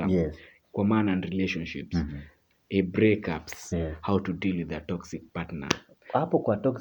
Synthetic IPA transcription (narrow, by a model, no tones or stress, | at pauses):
a̰jɛ | kwamaːnaãnɾileʃɔ̃nʃips | ɛbɾɛkapshawtudilwiðətɔksik̚patna̰ | hapɔkwatɔk